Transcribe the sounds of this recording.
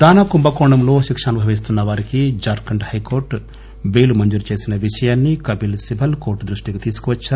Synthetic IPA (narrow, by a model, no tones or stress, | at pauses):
d̪aːnakumbɐkoːɳɐmlo̞ːʃikʂaːnubʱɐʋis̬t̪unːɐʋaːɾikid͡ʒaːɾkɐɳɖhɐjko̞ːɾʈ | ʋe̞ːlumɐɲd͡ʒuɾt͡ʃe̞ːsinɐʋiʂɐjaːnːikɐbilsibʱɐlkoːɾʈd̪ɾuʂʈiɡit̪iːsu̥kuʋɐt͡ʃːaɾ